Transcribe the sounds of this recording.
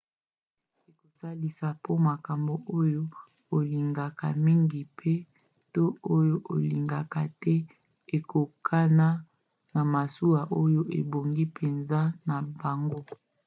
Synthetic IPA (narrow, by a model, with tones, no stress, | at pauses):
e˨ko˨sa˦li˨sa˨po˦ma˨ka˨mbo˨ʔo˦jo˦ | o˨li˨ŋɡa˨ka̰˨mi˦ŋɡi˨pʰe˦ | to˦o˦jo˦ʔo˨li˨ŋɡa˨ka˨tɛ˦ | e˨ko˨kʰa˦na˦ | na˨ma˨su˦a˨ʔo˦jo˦ʔe˨bo˨ŋɡi˦pʰe˨nza˦na˨ba˨ŋɡo˦